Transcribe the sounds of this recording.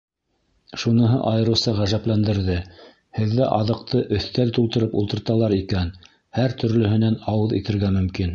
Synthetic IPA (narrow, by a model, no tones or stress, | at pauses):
ʃunɤ̆ɦɤʔɑjɤ̆ɾɤ̆wsɑʁæʒæplænd̪ɘ̆ɾðɘ | hɘ̆ðːæʔɑðɤ̆q̚t̪ɤʔɵ̆θt̪ælt̪ulˠt̪ɤ̆ɾɤpṵlˠt̪ɤ̆ɾt̪ɑlˠɑɾikæn | hæɾt̪ɵ̆ɾlɵ̆hɘ̆nænɑwɤðḭt̪ɘ̆ɾɣæmɵ̆mkin